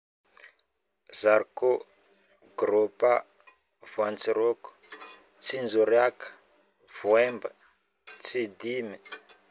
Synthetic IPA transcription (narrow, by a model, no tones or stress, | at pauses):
zarko | ɡɾopa | vant͡siɾok | t͡sind͡zuɾjakḁ | vuɛmba | t͡sid̪imi